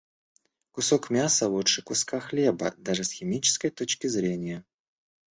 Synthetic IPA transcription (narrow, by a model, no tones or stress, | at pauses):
kʊsokmʲasəvˠuʂɨkʊskaxlʲebə̰d̪aʐɨsxʲɪmʲit͡ɕɪ̥skəjt̪ot͡ɕkʲɪzɾʲenʲɪjə